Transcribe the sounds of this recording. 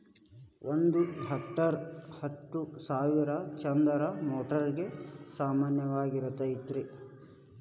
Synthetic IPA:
ʔond̪uɦɐk̚ʈːɐɾhɐt̪ːusaːʋiɾɐt͡ʃɐnd̪ɐɾɐmɔːʈɐɾɡe̞saːmaːnjɐʋaːɡiɾɐt̪ɐjit̪ɾi

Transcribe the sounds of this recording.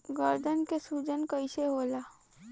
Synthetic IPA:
ɡəɾd̪ənkesuːd͡ʒənkəɪseɦoːla

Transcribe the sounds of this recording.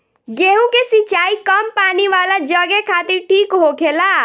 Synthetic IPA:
ɡeɦũkesit͡ʃaikəmpaniʋalad͡ʒəɡekʰat̪iɾʈʰiːkɦokʰela

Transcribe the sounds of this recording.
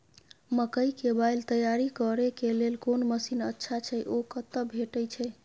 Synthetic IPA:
məkəjkebajlt̪əjaɾikəɾekelelkonməsinətːʃʰat͡ʃʰɛjʔokət̪ːəbʱeʈəjt͡ʃʰɛ

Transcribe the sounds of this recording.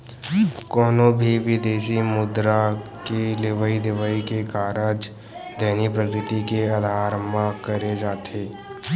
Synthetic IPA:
kɔːnobʱiʋɪd̪eːsimʊd̪ɾa | keleʋəid̪ɪʋaikekaːɾəd͡ʒ | d̪ɛːnipɾəkɾɪt̪ikeəd̪ʱaːɾəmakəɾed͡ʒaːt̪ʰeː

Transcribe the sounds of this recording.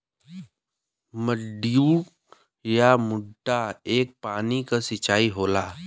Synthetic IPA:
məɖijuːk | jamʊɖːaeːk̚paːnikasɪt͡ʃaːiɦoːlaː

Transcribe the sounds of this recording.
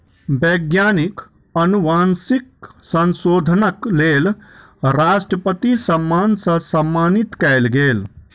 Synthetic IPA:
beːɡjaːnik | ənuʋaːnsiksə̃nsoːd̪ʱənəkleːl | ɾaːsʈɾəpət̪isəmːaːnsə̃sɐmːaːnit̪kɛɪlɡeːl

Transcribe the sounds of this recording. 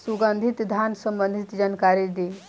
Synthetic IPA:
suɡand̪ʱit̪d̪ʱansəmbənd̪ʱit̪d͡ʒankaɾid̪i

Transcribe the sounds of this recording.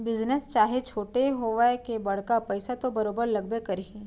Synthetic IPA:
bɪznəst͡ʃaːɦet͡ʃʰoːʈeɦoʋaekebɐɽ̤kapɛɪsat̪obɐɾoːbəɾlɐɡbekɐɾi

